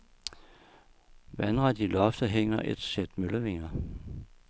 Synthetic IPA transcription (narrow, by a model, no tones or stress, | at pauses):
ʋænʁɑd̥ilɒfd̥əɦeŋ̰ɐʔe̝d̥sed̥møləʋe̝ŋ̰ɐ